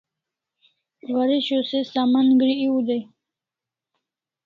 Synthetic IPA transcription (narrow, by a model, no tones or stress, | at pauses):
waɾiɕosesamanɡɾiiud̪ej